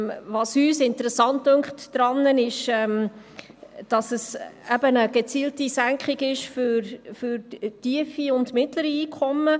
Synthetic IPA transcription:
vɑsyːsɪntəɾɛsɑntːøŋkχtdɾɑnːənɪʃɛm | d̥ɑsəsæbənəɡ̥et͡siːltisæŋkχiɡɪʃføɾfʏɾtiəfiʊndmɪtləɾiiːkʰɔmːə

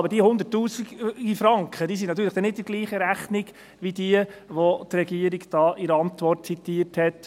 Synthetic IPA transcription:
ɑbəd̥iəhʊnd̪ətːuːsiɡɡifɾɑŋkχəd̥iːs̬inɑt̪̬ːyːɾləχd̥ɛnɪt̚ɪɡ̥liːχəɾæχnɪɡ | ʋidiəʋotɾɛɡiːəɾiɡd̥ɑːʔɪɾəɑnt̪ʋɔrt̚t͡sit̪ːiːəthɛt

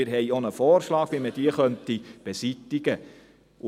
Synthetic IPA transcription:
ɪɾɦɛɪonəfɔːrʃlɑːɡʋiməd̥iːəχœntib̥esitɪɡ̥ə | ʔʊ

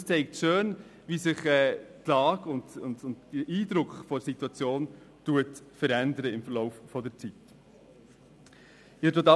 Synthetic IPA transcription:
st͡sɛɪk̚tʃøːnʋisɪχɛːtlɑːɡʊndʊndʊndəʔiːdɾʊkχfɔsituɑt͡sjoːn | tuət | fəɾændəɾəɪmfəɾlɔʊffɔdəɾt͡sit | ɪdotɑ

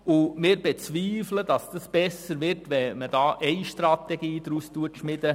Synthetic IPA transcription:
ʊmɪːɾbet͡sviːfləd̥ɑsd̥ɑsb̥ɛsəɾʋɪrtʋɛməd̥ɑːʔɛɪʃtrɑt̪ɛɡiːd̥ɾustuətʃmɪdə

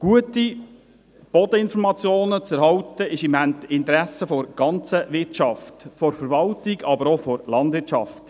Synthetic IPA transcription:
ɡ̥uəti | b̥ɔd̪əɪnfɔɾmɑt͡sjoːnət͡sɛɾhɑwtəʔɪʃɪmæntɪntɾæsəfɔɾɡ̥ɑnt͡səʋɪɾt͡ʃɑftfɔɾfəɾʋɑltɪɡɑbəɾɔfɔɾlɑndʋɪt͡ʃɑft

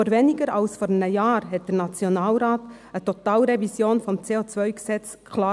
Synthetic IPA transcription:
əɾvɛnɪɡəɾɑlsfɔːɾənəjɑːɾɦɛt̚d̥ənɑt͡sjonɑːlɾaːt | ətɔt̪ɑːlɾɛvisjoːnfɔmt͡seːot͡svœʏɡsɛt͡s | kʰlaː

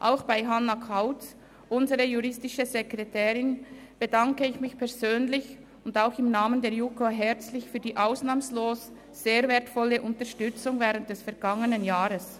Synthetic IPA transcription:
ʔaʊxb̥aɪɦanːakʰaʊt͡s | ʔʊnzəʁəjuʁɪstɪʃəzɛkʁɛtʰɛːʁɪnb̥ədaŋkəɪçmɪçpʰɛɐzøːnlɪç | ʊndaʊxɪmnaːməndɛːɐjukoɦɛʁt͡slɪçfyːɐdiːʔaʊsnaːmsloːs | z̥eːɐvɛːɐtfɔləʔʊntəʃtʏt͡sʊŋvɛːʁənt̚d̥ɛsfɛɐɡaŋənənjaːʁəs

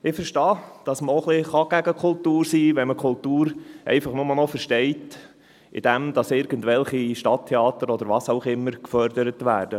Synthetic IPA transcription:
ɪfəɾʃtɑːd̥ɑsməɔχlɪχɑɡ̥æɡəkʰʊltuːɾsiːʋɛnməkʰχʊltuːɾʔɛ̰ɪfɑχnʊmɑlnɔfəɾʃtɛɪt | ʔɪ̰d̥æmd̥̪ɑsɪɾɡ̥əntʋɛlχiʃtɑtʰːeɑːt̪əɾɔd̥̪əɾʋɑːsaʊχɪmːəɾkfœɾd̪əɾətʋæːɾd̥ə

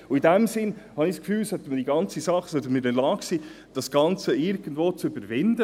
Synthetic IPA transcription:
ʊidæmsɪnhɑnɪxskfyːlsœt̪ːəmədiɡɑnt͡sisɑχːsœt̪əmɪdɛlɑːksi | d̥ɑsɡ̥ɑnt͡səɪɾɡ̥ənd̪voːt͡søbəɾvɪndə

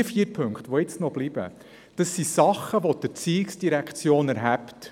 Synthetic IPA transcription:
əfiːəɾpʰɵŋkt̪ʋɔɪt͡snɔb̥lib̥ə̰ | d̥əsːisɑχːəʋɔd̥əɾt͡siːɪksd̥iɾækχt͡sjoːnæɾɦæpt

